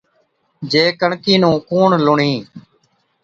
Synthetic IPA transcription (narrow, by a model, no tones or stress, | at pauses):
d͡ʒeːkəɳkiːnũːkoːɳlʊɳiː